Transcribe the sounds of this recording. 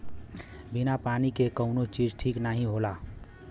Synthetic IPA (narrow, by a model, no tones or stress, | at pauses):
binapanikekəʊnot͡ʃid͡ʒʈʰiknaɦĩɦola